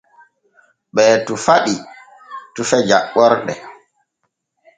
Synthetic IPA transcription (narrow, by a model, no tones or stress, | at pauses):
ɓɛːtufaɗi | tufɛd͡ʒa̰ɓːɔɾɗɛ̰